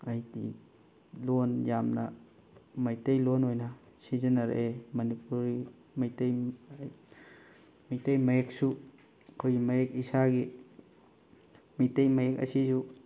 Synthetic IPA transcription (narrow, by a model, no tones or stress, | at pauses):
ajdḭ | lonjamnɐ | majtejlonojnɐ | sizɐnɐɾḛʔemɐnipuɾi | majtej | majtejmɐjek̚su | kʰojɡimɐjek̚isaɡi | majtejmajekɐ̰sizu